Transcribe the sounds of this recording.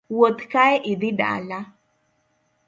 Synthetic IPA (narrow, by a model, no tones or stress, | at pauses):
wot̪kaeʔid̪ida̰la